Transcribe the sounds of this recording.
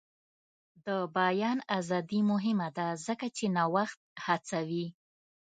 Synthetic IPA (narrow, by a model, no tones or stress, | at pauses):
d̪əbajɑnazɑd̪imʊɦɪmad̪azəkat͡ʃenawaxt̪̚hat͡sawi